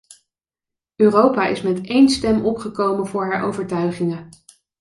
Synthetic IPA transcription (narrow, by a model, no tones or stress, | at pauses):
øːrowpaʔɪ̰smɛtejnstɛmʔɔpχəkowmənvʊːɹɦaːɹʔo̰wvəɹtœɥχɪŋə